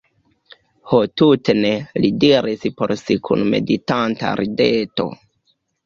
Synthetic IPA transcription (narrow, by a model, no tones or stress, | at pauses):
hotutenelidiɾispo̞ɾsikʰṵnme̞̰ditanta̰ɾideto̞̰